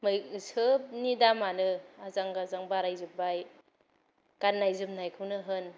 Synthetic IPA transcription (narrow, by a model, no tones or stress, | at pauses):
mɯjsʰɯp̚nidamanɯazaŋɡazaŋbaɾajzɯbbaj | kanːajzɯp̚najkʰɯwnɯɦɯn